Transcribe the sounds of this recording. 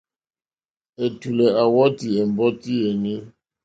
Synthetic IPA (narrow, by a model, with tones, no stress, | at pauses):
e˨tu˨lɛ˨a˨wɔ˦ti˨e˨m˨bɔ˦ti˦e˨ni˦